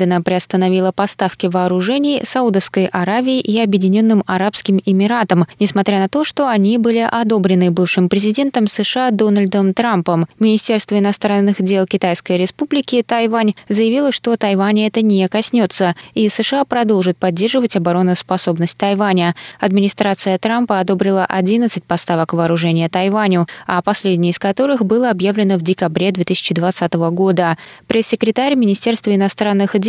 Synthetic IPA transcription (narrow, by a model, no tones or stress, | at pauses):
d̪ənəpɾʲɪɐst̪ənɐvʲilˠəpɐst̪afkʲɪvɐːɾʊʐɛnʲɪjsɐud̪əfskəjʔɐɾavʲɪːʔiɐbjɪdʲɪnʲo̞nːɨmɐɾapskʲɪmɪmʲɪɾat̪əmnʲɪsmɐt̪ɾʲanɐt̪oʂt̪o̞ɐnʲibɨlʲɪʔɐd̪o̞bɾʲɪnɨbɨfʂɨmpɾʲɪzʲɪdʲe̞nt̪əmsɨʂɨad̪o̞nəlʲd̪əmt̪ɾampəmmʲɪnʲɪsʲtʲe̞rst̪vəɪnɐst̪ɾanːɨxdʲe̞lˠkʲɪt̪ajskəjɾʲɪspublʲɪkʲɪt̪ɐjvanʲzəjɪvʲilˠəʂt̪ot̪ɐjvanʲɛt̪ənʲekɐsʲnʲo̞t̪səisɨʂɨapɾɐd̪o̞lˠʐɨt̪̚pɐdʲːe̞rʐɨvətʲɐbɐɾo̞nːʊspɐso̞bnəsʲt̚ʲt̪ɐjvanʲəɐd̪mʲɪnʲɪst̪ɾat̪sɨjət̪ɾampəɐd̪o̞bɾʲɪlˠəʔɐdʲinət̪sɨtʲpɐst̪avəkvɐːɾʊʐɛnʲɪjət̪ɐjvanʲʊapɐsʲlʲedʲnʲɪjəɪskɐt̪o̞ɾɨxbɨlˠəɐbjavlʲɪnəvdʲɪkɐbɾʲe̞d̪vʲe̞t̪ɨisʲɪ̥t͡ɕɪd̪vɐt̪sat̪əvəɡo̞d̪əpɾʲesʲːɪkɾʲɪt̪aɾʲmʲɪnʲɪsʲtʲerst̪vəɪnɐst̪ɾanːɨxdʲ